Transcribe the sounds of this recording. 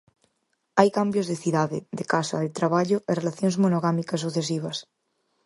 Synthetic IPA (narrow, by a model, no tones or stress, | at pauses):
ajkambjozðeθiðaðḛðekasa̰ðet̪ɾaβaʎoʔerelaθjonzmonoɣ̞amikas̬ːuθes̬iβ̞as